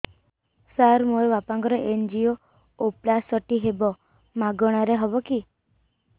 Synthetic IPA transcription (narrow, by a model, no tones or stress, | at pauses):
saɾmoeʋapãŋɡɔɾɔʔend͡ʒio | oplasɔʈiɦebɔ | maɡɔɽ̃aɾeɦɔbɔki